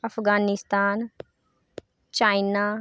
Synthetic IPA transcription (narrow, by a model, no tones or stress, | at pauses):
əpʰɡaːnɪst̪aːn | t͡ʃaːinaː